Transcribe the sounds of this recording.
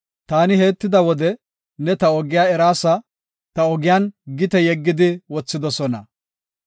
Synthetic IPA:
t̪aːnɪɦe̞ːt̪ːɪd̪ɐwɔd̪ɛ | nɛt̪ɐɔɡɪjaːɛɾaːsɐ | t̪ɐɔɡɪjaːnɡɪt̪ɛjɛɡːɪd̪ɪwɔt͡sːɪd̪ɔsɔnɐ̰

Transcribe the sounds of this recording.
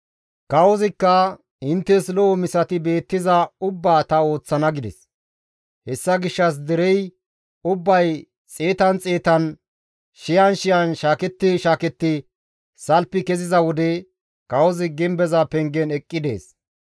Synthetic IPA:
kɐwɔzɪkːɐ | ɪnt̪ːɛslɔɔmɪsɐt̪ɪbe̞ːt̪ːɪzɐʊbːaːt̪ɐo̞ːt͡sːɐnɐɡɪd̪ɛ̰s | hɛsːɐɡɪʃːɐs̬d̪ɛɾɛj | ʊbːɐj | t͡sʼeːt̪ɐnt͡sʼe̞ːt̪ɐn | ʃɪjɐnʃɪjɐnʃaːkɛt̪ːɪʃaːkɛt̪ːɪ | sɐlpːɪkɛzɪzɐwɔd̪ɛ | kɐwɔzɪɡɪmbɛzɐpɛŋɡɛnɛkʼːɪd̪e̞̰ːs

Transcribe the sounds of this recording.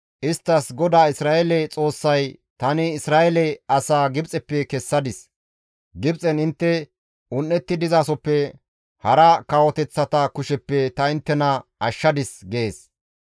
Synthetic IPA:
ʔɪst̪ːɐsɡɔd̪aːɪsɾaːʔɛlɛt͡sʼo̞ːsːɐjt̪ɐnɪːsɾaːʔɛlɛɐsaːɡɪbt͡sʼɛpːɛkɛsːɐd̪ɪs | ɡɪbt͡sʼɛnɪnt̪ːɛ | ʊnːɛt̪ːɪd̪ɪzaːsɔpːɛ | hɐɾɐkɐwɔt̪ɛt͡sːɐt̪ɐkʊʃɛpːɛt̪ɐɪnt̪ːɛnɐɐʃːɐd̪ɪsɡeeːs

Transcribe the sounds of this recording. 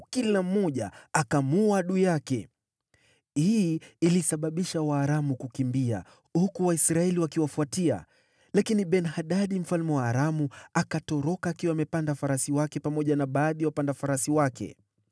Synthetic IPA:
kilam̩ːɔʄa̰akamuaɗujakɛ̰ | hiːilisaɓaɓiʃawaːɾamukukimbia̰ | hukuwaisɾaɛliwakiwafuatia̰ | lakiniɓɛnhaɗaɗim̩falmɛwaːɾamuakatɔɾɔkaːkiwaːmɛpandafaɾasiwakɛpamɔʄanaɓaːðiawapandafaɾasiwakɛ̰

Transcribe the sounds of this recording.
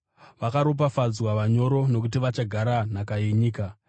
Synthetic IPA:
ʋakaɾo̞p̬afad͡zwaʋaɲo̞ɾo̞no̞kut̬iʋat͡ʃaɡʱaɾan̤akajeɲiːka

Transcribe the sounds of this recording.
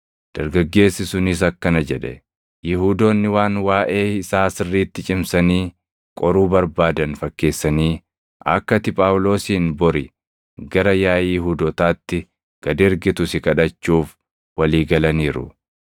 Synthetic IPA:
d̪̥ɐɾɡɐɡːe̞ːsːɪsʊnɪs̬ɐkːɐnɐd͡ʒɛᶑɛ̰ | jɪɦuːd̪o̞ːnːɪwaːnwaːʔe̞ːɪsaːsɪrːiːt̪ːɪt͡ʃʼɪmsɐniː | kʼɔɾuːbɐɾbaːd̪ɐnfɐkːe̞ːsːɐniː | ʔɐ̰kːɐt̪ɪpʼaːwlo̞ːsiːnbɔɾɪ | ɡɐɾɐjaːjːɪɦuːd̪ɔt̪aːt̪ːɪ | ɡ̥ɐd̪ɛɾɡɪt̪ʊsɪkɐᶑɐt͡ʃːuːf | wɐliːɡɐlɐniːɾʊ̰

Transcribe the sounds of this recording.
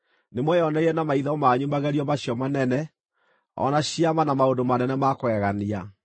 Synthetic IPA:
nemwɛjɔnɛeɛnamaiðaɔmaɲumaɣɛɾiɔmaɕjɔmanɛnɛ | ɔ̰naɕiamanamaondomanɛnɛmakwɛɣania

